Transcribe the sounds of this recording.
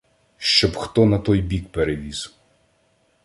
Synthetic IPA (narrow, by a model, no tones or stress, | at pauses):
ʃt͡ʃɔbxt̪ɔnɐt̪ɔjbʲikpeɾeʋʲizw